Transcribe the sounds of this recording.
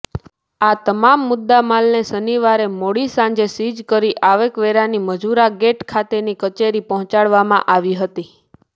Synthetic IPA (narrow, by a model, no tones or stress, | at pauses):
at̪əmamːʊd̪ːamalnesəniʋaɾemoɽisãɲd͡ʒesid͡ʒkəɾiʔaʋekʋeɾaniməd͡ʒuɾaɡeʈkʰat̪enikət͡ʃeɾipɔɦɔ̃t͡ʃaɭʋamã̰ʔaʋiɦət̪i